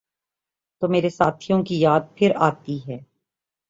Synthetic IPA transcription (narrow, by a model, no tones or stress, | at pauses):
t̪oːmeːɾesaːt̪ʰijõkijaːd̪̚pʰɪɾaːt̪iɦɛː